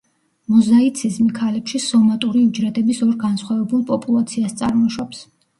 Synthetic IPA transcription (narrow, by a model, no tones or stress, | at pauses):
mɔzait̪sʰizmikʰalɛpʃisɔmat̪ʼuɾid͡ʒɾɛd̪ɛbisɔɾɡansχwavɛbulˠpʼɔpʼulˠat̪sʰiast̪sʼaɾmɔʃɔps